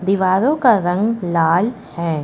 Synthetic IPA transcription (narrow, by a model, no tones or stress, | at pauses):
d̪iʋaːɾoːkaɾɐŋɡlaːl | hɛː